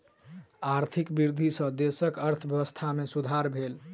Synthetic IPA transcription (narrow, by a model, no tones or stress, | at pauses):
aɾt̪ʰikbiɾd̪ʱisə̃d̪esəkəɾt̪ʰəbjəwəst̪ʰamesud̪ʱaɾbʱel